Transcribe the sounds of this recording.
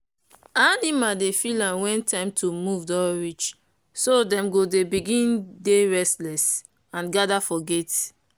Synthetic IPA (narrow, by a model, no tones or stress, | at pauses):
adimadefilãnwɛ̃ntʰãɪ̃mtʰumuvdɔɹit͡ʃ | sodɛ̃mɡodebiɡĩndeɹɛstlɛs | ãnɡadafɔɡet